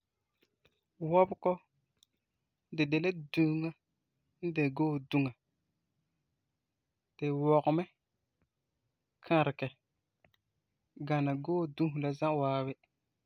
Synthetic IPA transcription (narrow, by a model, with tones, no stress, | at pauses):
wɔ˦bkɔ˦ | dɪ˨de˨le˦dũ˦ŋa˦ | n̩˦de˨ɡoː˦˨du˦ŋa˨ | d̥ɪ˨wɔ˨ɣʊ˨mɛ˦ | kʰa˨ɾɪ˨kɛ˨ | ɡa˨na˨ɡoː˦dũ˦ɦu˨la˦zã˦waː˦bɪ˦